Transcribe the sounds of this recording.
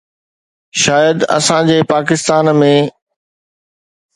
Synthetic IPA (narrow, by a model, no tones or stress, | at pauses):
ʃaːjəd̪ɐ̰sãd͡ʑeːpaːkɪst̪aːnmẽ